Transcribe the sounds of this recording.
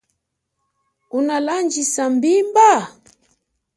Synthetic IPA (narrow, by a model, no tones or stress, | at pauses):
unaland͡ʒisambimba